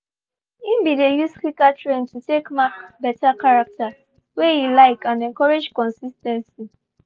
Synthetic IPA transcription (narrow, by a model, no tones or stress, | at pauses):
ĩmbidejuskwikatɹẽntutekmakbɛtakaɹak̚ta | wejilaɪkʰãnɛ̃ŋkɔɹed͡ʒkɔ̃nsistɛ̃nsi